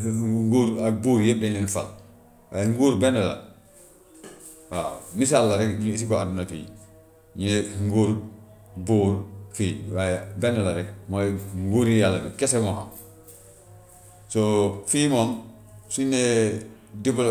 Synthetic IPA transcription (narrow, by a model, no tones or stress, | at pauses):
ŋɡuɾabuɾjebeninfa̰l | wajŋɡuɾbenela̰ | wa̰misalːaɾeɲis̬ikoadunatṵjḭ | ɲeŋɡoɾ | buːɾfiːwajbenelaɾemojŋɡuɾijalːabekesemoa̰m | sofimon | sune | dibl